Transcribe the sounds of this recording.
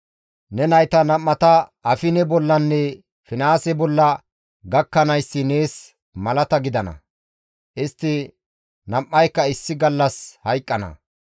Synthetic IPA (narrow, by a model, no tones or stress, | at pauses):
nɛnɐjt̪ɐnɐmːɐt̪ɐɐfɪnɛbɔlːɐnːɛ | fɪnaːsɛbɔlːɐ | ɡɐkːɐnɐjsːɪne̞ːs | mɐlɐt̪ɐɡɪd̪ɐnɐ̰ | ʔɪst̪ːɪ | nɐmːɐjkːɐɪsːɪɡɐlːɐshɐjkʼːɐnɐ̰